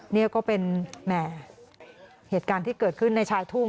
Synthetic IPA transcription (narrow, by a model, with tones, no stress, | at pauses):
ni˥˩ɐkɔː˥˩pe˧nmɛ˧˥˩ | heː˨˩t̪̚kaː˧nt̪ʰiː˥˩kɤː˨˩t̚kʰɯ˥˩nːa˧jt͡ɕʰaː˧jt̪ʰu˥˩